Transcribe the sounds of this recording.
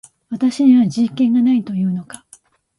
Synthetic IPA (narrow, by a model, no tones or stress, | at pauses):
βat̪aɕiɲ̟iβad͡ʑikẽ̞ŋɡanait̪o̞jɯ̟ːno̞kḁ